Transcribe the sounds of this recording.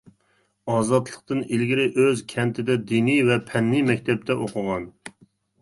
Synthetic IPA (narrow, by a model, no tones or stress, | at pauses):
ɑːzɑt̪lˠəq̚t̪ɨnilɡʲiɾɪʔøzkʲʰɛnt̪ʰɪd̪ɛd̪inivɛpʰɛnːimɛkʲt̪ʰɛp̚t̪ʰɛʔoqʰʊʁɑn